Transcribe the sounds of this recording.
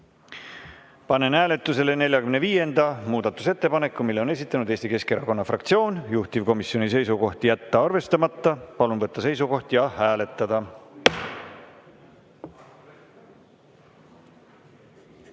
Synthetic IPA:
pɑne̞nhæːle̞t̪ːˑus̬e̞le̞ne̞lʲjɑkymneviːje̞nd̪̥ɑmuːd̪ɑt̪ːˑu̥se̞t̪ːe̞pɑne̞kːˑumilːeone̞s̬ʲit̪ːˑɑnud̪̥eːst̪ike̞ske̞ɾɑko̞nːɑfrɑkt̪sio̞ːnjuht̪ivko̞misio̞nis̬e̞jsuko̞ht̪ijæt̪ːɑɑrve̞st̪ɑmɑt̪ːɑpɑlunvɤt̪ːɑse̞js̬uko̞ht̪jɑhæːle̞t̪ːˑɑd̪ɑ

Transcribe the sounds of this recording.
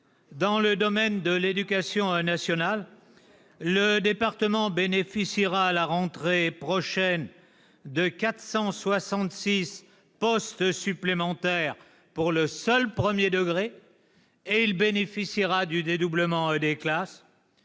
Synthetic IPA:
d̪ɑ̃ləd̪ɔmɛnd̪əled̪ykʲasjɔ̃nasjɔnalː | əd̪epaʁt̪əmɑ̃benefisiʁaːlaʁɑ̃t̪χepχɔʃɛn | d̪əkat̪χsɑ̃swasɑ̃t̪sis | pɔst̪syplemɑ̃t̪ɛʁ | puʁləsœlpχəmjed̪əɡʁe | eilbenefisiʁad̪yd̪ed̪ubləmɑ̃d̪eklas

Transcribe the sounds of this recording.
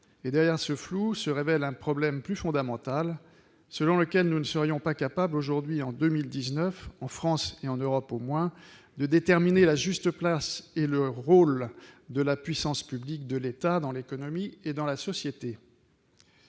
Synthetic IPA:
ed̪ɛʁjɛʁsəflusəʁevɛlɛ̃pχɔblɛmplyfɔ̃d̪amɑ̃t̪al | səlɔ̃ləkʲɛlnunəsəʁijɔ̃pakapabloʒuʁd̪ɥiɑ̃d̪ømild̪iznœfɑ̃fχɑ̃seɑ̃nøʁɔpomwɛ̃ | d̪əd̪et̪ɛʁminelaʒyst̪əplaseləʁold̪əlapɥisɑ̃spyblik̚d̪əlet̪ad̪ɑ̃lekɔnɔmied̪ɑ̃lasɔsjet̪e

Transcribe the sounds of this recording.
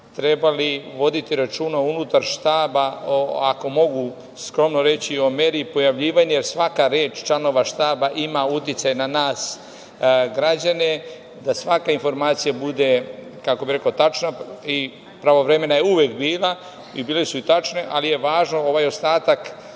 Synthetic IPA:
t̪ɾe̞baliʋo̞d̪it̪iɾat͡ʃuːnaunut̪aɾʃt̪aːbaoako̞mo̞ɡu | skɾo̞mnoɾe̞t͡ɕio̞meːɾiːpo̞jaʋʎiːʋaɲujeɾsʋakaɾeːt͡ʃt͡ʃano̞ʋaʃt̪aːbaʔimaut̪jit̪sajnanaːs | ɡɾad͡ʑane̞ | d̪asʋakainfo̞ɾmaːt̪sijabud̪e̞ | kako̞biɾe̞kot̪at͡ʃnai | pɾaʋoʋɾeme̞najeuʋekbiːla | ibiːlesuit̪at͡ʃneʔalije̞ʋaːʒno̞o̞ʋajo̞st̪aːt̪ak

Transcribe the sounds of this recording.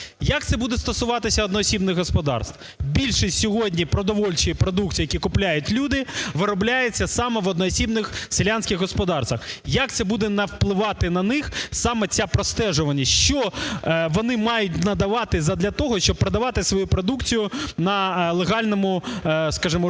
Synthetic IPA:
jɐkt̪sɛbud̪ɛst̪ɔsʊʋɑt̪ɪsʲɐɔd̪nɔːsʲibnɪɣɦɔspɔd̪ɑ̰rst̪ | bʲilʲʃɪsʲsʲɔɦɔdʲnʲipɾɔd̪ɔʋɔlʲt͡ʃɪjipɾɔd̪ukt͡sʲijɐkʲikʊplʲajʊtʲlʲud̪ɪʋɪɾɔblʲajet͡sʲːɐsɑmɛʋɔd̪nɔːsʲibnɪxselʲanʲsʲkʲɪɣɦɔspɔd̪ɑrst̪ʋɐxjɐk̚t̪sɛbud̪ɛnɐwplˠɪʋɑt̪ɪnɐnɪxsɑmɛt͡sʲapɾɔst̪ɛʒʊʋɐnʲːɐʃt͡ʃɔʋɔnɪmɑjʊtʲnɐd̪ɐʋɑt̪ɪzɐd̪lʲɐt̪ɔɦɔʃt͡ʃɔb̚pɾɐd̪ɐʋɑt̪ɪsʋɔjupɾɔd̪ukt͡sʲijʊnɐlˠeɦɑlʲnɔmʊskɑʒɪmɔ

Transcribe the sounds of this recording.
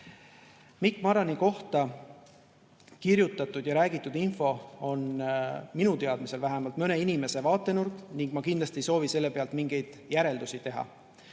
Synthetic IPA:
mikːˑmɑɾɑniko̞ht̪ɑ | kiɾjut̪ːˑɑt̪ːud̪̥jɑɾæːɡit̪ːˑud̪̥info̞o̞nminut̪e̞ɑd̪̥mise̞lvæɦemɑlt̪mɤne̞inime̞se̞vɑːt̪ˑːe̞nurkniŋɡ̥mɑkind̪lɑst̪ie̞jso̞ːvise̞lːepe̞ɑlt̪miŋɡ̥e̞jd̪̥jæɾe̞ld̪usit̪e̞ɦɑ̰

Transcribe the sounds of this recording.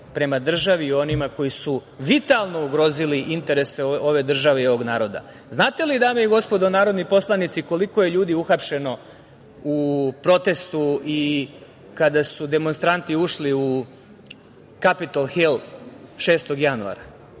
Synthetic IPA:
pɾe̞mad̪r̩ʒaʋiːo̞nimako̞jisuʋit̪alˠno̞uɡɾo̞ziliʔint̪e̞ɾe̞seo̞ʋe̞d̪r̩ʒaʋe̞io̞ʋo̞ɡnaːɾo̞d̪a̰ | znaːt̪e̞lid̪aːmeiɡo̞spo̞d̪onaːɾo̞d̪nipo̞slˠanit̪siko̞liko̞je̞ʎuːd̪iuxapʃe̞no̞ | upɾo̞t̪e̞st̪ui | kad̪asud̪e̞mo̞nst̪ɾant̪iuʃliu | kapit̪olˠxelʃe̞ːst̪o̞ɡjanua̰ɾa

